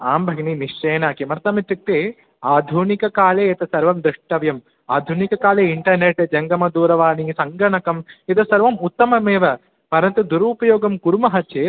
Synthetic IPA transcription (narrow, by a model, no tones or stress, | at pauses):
aːmbʱɐɡniniʂt͡ʃeːnaːkimɐɾt̪ɐmit̪jɐk̚t̪eː | aːd̪ʱunikɐkaːleːɐt̪ɐsɐɾʋɐmd̪ɾɪʂʈɐʋjɐm | aːd̪ʱunikɐkaːleːiɳʈɐɾneʈːd͡ʒɐŋɡɐmɐd̪uːɾɐʋaːnisɐŋɡɐɳɐkɐmit̪ɐsɐɾʋɐmut̪ːɐmɐmeːʋɐ | pɐɾɐnt̪ud̪uɾuːpɐjoːɡɐmkuɾumɐɦɐt͡ʃeː